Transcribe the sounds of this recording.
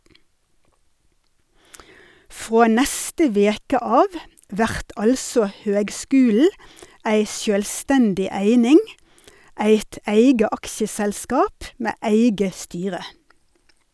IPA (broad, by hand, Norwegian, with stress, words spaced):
ˈfʁoː ˈnɛstə ˈʋeːkə ˈɑːʋ ˈʋæʁt ˈʔɑlsɔ ˈhøːɡˌskʉːl̩ə ˈæɪ ˈʃjøːlˌstɛndɪ ˈæɪnɪŋ ˈæɪt ˈæɪɡə ˈɑksəsɛlˌskɑːp ˈmeː ˈæɪɡə ˈstyːʁə